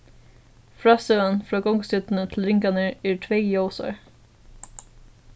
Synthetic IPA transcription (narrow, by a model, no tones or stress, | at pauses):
fɾɑːsœənfɾɑːɡɔŋsʏt̪n̩ət̪ʰɪl̩ɾɪŋkɑnəɛːɹʈʰʋeɡjoːsɔ̰ɹ